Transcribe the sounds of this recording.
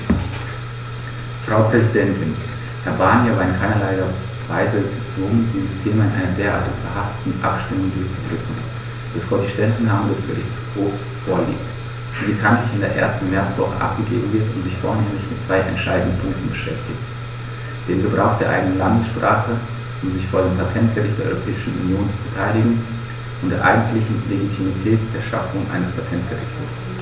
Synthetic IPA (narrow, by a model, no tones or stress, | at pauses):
fʁ̥aʊpʁ̥ɛzidɛntʰɪn | hɛɐbaːnjavaːɪnkʰaɪnɐlaɪdɛ | vaɪzəbət͡sv̥ʊɡəndiːzəstʰeːmaɪnʔa̰ɪnɐdeːɐʔa̰ːɐtɪçb̥əhastə̥tn̩ʔa̰pʃtɪmʊŋdʊɐçt͡sudʁʏkŋ̩ | b̥əfoːɐdiːʃtɛlnːaːmədɛsɡ̥əʁɪçshoːfs | foːɐlḭːk̚t | d̥iːbəkʰantlɪçɪndeːɐʔḛːɐstn̩mɛɐt͡sv̥ɔ̰χə̰ʔa̰pɡ̥əɡḛːbm̩vɪɐtʊntz̥ɪçfoːɐneːmlɪçmɪtt͡sv̥aɪʔɛ̰ntʃaɪdndənpʰʊŋk̚tn̩bəʃɛftɪçt | d̥eːmɡəbʁaʊxd̥eːɐʔaɪɡənənlandəsʃpʁ̥aːχə | ʔʊmzɪçfoːɐdeːmpʰatʰɛnt̚ɡ̥əʁɪçtd̥eːɐɔʁopʰɛːɪʃn̩ṵnjoːnt͡subətʰaɪlɪɡŋ̩ | ʔʊntd̥eːɐʔa̰ɪɡŋ̩tlɪçn̩leɡitʰimitʰɛːtd̥eːɐʃa̰fʊŋʔa̰ɪnəspʰatʰɛnt̚ɡ̥əʁɪ̰çtə̰s